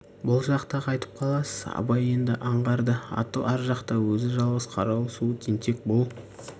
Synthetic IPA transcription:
bʊlˠʒɑqt̪ɑqʰɑjt̪ə̥p̚qʰɑlˠɑsəz̥ɑ̰bɑje̞nd̪ɪ̰ʔɑɴʁɑɾd̪əɑ̰t̪əlˠæɾʒɑqt̪ɑwɵzɪʒɑlˠʁəsqʰɑɾɑwsut̪ʰent̪ʰe̞k̚bolˠ

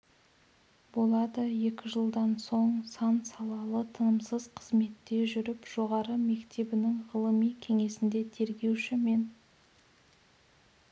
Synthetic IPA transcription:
bo̞lˠɑd̪əje̞kʲɪʒəlˠd̪ɑnso̞ɴsɑnsɑlˠɑlˠət̪ʰənəmsəz̥qʰəzme̞t̪ːe̞ʒʏɾɪpʒ̥o̞ʁɑɾəme̞kt̪e̞bɪnɪŋʁəlˠəmijkʲʰe̞ŋe̞sɪnd̪e̞t̪ʰe̞ɾɡʲe̞wʃɪme̞n

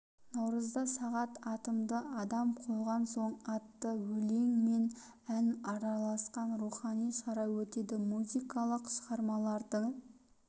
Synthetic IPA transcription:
nɑwɾəzd̪ɑsɑʁɑt̪ɑt̪əmd̪əʔɑd̪ɑmqʰolˠʁɑnso̞ɴɑt̪ːəwɵle̞ŋme̞n | ænɑɾɑlˠɑsqɑnɾuχɑnijʃɑɾɑjwɵt̪e̞d̪ɪmuzijkɑlˠəqʃəʁɑɾmɑlˠɑɾd̪əɴ

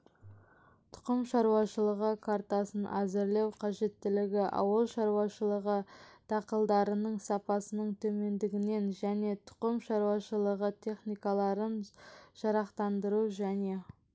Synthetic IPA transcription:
t̪ʰʊ̥qəmʃɑɾuwɑʃəlˠəʁəkʰaɾt̪ɑsənʔæzɪɾlewqʰɑʒe̞t̪ːɪlɪɡʲɪʔɑ̰wəlˠʃɑɾuɑʃəlˠəʁət̪ʰɑqəlˠd̪ɑɾənəɴsɑpɑsənəɴt̪ʰɵme̞nd̪ɪɡʲɪne̞nʒæne̞t̪ʰʊ̥qəmʃɑɾuɑʃəlˠəʁət̪ʲʰe̞χnijkɑlˠɑɾənʒ̥ɑɾɑqt̪ɑnd̪əɾuʒæne̞

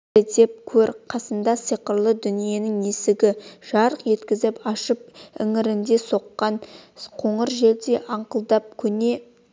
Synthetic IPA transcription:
ed̪e̞p̚kʲʰɵɾqʰɑsənd̪ɑsijqəɾlˠəd̪ʏnije̞nɪŋnesɪɡʲɪʒ̥ɑɾəqje̞t̪kʲɪzɪpɑʃəp̚ɪ̰ŋɪɾɪnd̪e̞so̞qːɑnqʰo̞ɴəɾʒe̞ld̪e̞ʔɑɴqəlˠd̪ɑp̚kʲʰɵne̞

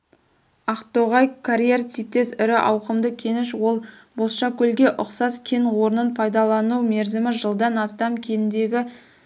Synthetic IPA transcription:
ɑqt̪oʁɑjkʰaɾjert̪ijp̚t̪e̞sɪɾɪʔɑwqəmd̪əkʲʰe̞nɪʃwo̞lˠbolˠʃɑkʲʰɵlɡʲe̞ʔʊqsɑskʲʰe̞nwo̞ɾənənpʰɑjd̪ɑlˠɑnume̞ɾzɪmɪʒəlˠd̪ɑnɑst̪ɑmkʲʰe̞nɪnd̪e̞ɡʲɪ

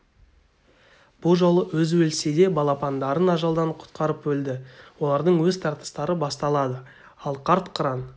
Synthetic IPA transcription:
b̥ʊlˠʒo̞lˠəʔwɵzwɵlsed̪e̞bɑlˠɑpɑnd̪ɑɾənɑʒɑlˠd̪ɑɴqʰʊ̥t̪qʰɑɾəpwɵld̪ɪwo̞lˠɑɾd̪əɴwɵzt̪ʰɑɾt̪ə̥st̪ɑɾəbɑst̪ɑlˠɑd̪ə | ɑlˠqʰɑɾt̪qʰəɾɑn

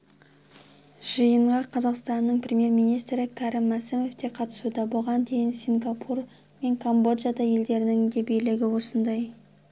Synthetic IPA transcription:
ʒ̥əjəɴʁɑqʰɑzɑqst̪ɑnːəɴprʲemʲje̞ɾmijnijst̪ɾɪkʰɑɾɪmːæsɪmo̞ft̪e̞qʰɑt̪ə̥sud̪ɑbolˠʁɑnd̪e̞jɪnsʲiŋɡɑpʰur | me̞ŋkʰombo̞d̪ʒad̪ɑje̞ld̪e̞ɾɪnɪŋd̪ebejlɪɡʲɪwo̞sənd̪ɑj

